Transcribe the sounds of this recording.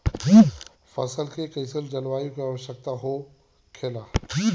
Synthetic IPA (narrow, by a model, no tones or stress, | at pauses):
fɐ̰səlkʰekɐɪsəld͡ʑɐnʋaːjũkeɐːʋəʃək̚t̪aɦo | kʰelaː